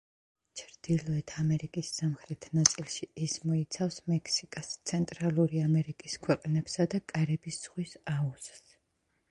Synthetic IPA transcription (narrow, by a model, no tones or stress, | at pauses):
t͡ʃʰɾd̪̥ilɔɛt̪ʰamɛɾikʼisːamχɾɛt̪ʰnat̪sʼilˠʃiːsmɔit̪sʰafsmɛkʰsikʼast̪sʰɛnt̪ʼɾalˠuɾiamɛɾikʼiskʰwɛqʼnɛb̥sad̪akʼaɾɛbisz̥ʁwisauss